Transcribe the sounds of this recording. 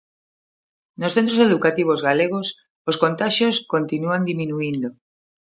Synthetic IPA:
nosθent̪ɾoseðukat̪iβ̞ozɣaleɣ̞os | oskont̪aʃjoskont̪inuand̪imĩnuind̪o

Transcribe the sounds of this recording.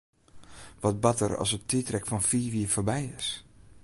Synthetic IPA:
ʋɔt̚batəɾɔ̰sətitrɛkfɔnfiːʋiəfoɹbɛjɪs

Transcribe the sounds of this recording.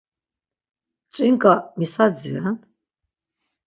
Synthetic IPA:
t͡ʃʼiŋkʼamisad͡zian

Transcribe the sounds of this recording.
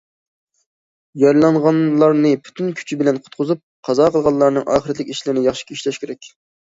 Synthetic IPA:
jɑɾlˠɑɴʁɑnlˠɑɾnɨpʰy̥t̪ʰynkʲʰy̥t͡ʃʰibɪlɛnqʰʊt̪̚qʰʊzup̚qʰɑzɑːqʰəlˠʁɑllːˠɑɾnɨŋʔɑ̰ːχəɾɛt̪lɪkʲiʃlɪɾɪnɪjɑχʃi̥kʲʰiiʃlɛʃkʲeɾɛkʲ

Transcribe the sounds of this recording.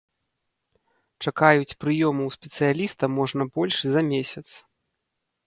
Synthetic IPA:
t͡ʂakajut͡sʲpɾɨjɔmɐwspʲɛt̪sɨjalʲist̪ɐmɔʐnɐbɔlʲʂzɐmʲesʲɐt̪s

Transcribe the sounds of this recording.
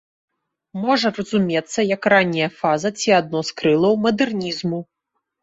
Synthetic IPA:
mɔʐɐrɐzumʲɛt̪sːɐjɐkranʲːijɐfazɐt͡sʲiad̪̚nɔskɾɨlˠɐwmɐd̪ɛrnʲizmu

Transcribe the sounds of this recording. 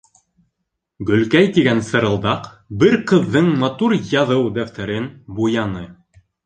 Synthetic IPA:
ɡɵ̆lkæjt̪iɡænsɤ̆ɾɤ̆lˠd̪ɑq | bɘɾqɤ̆ðːɤɴmɑt̪uɾjɑðɤwd̪æft̪æɾɘnbujɑnɤ

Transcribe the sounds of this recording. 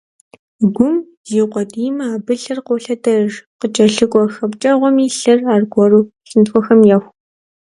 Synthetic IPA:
ɡʷʊm | ziːqʷɔdiːmɐaːbɨɬɐrqowɬɐtɐʒqət͡ʃʼɐɬɨkʷʼɔxɐpt͡ʃʼɐʁʷɔmiːɬɐraːrɡʷɔruː | ɬɨntxʷɔxɐmjɛxʷ

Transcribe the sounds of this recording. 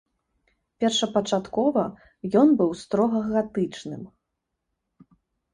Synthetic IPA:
pʲɛrʂɐpɐt͡ʂat̪kɔvɐ | jɔnbɨwst̪ɾɔɣɐɣat̪ɨt͡ʂnɨ̰m

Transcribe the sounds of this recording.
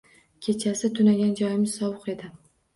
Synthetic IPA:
kʲʰe̞t͡ʃʰasɪt̪ʰʊnaɡʲand͡ʒɒjɪmɪz̥sɒwʊqe̞d̪ɪ

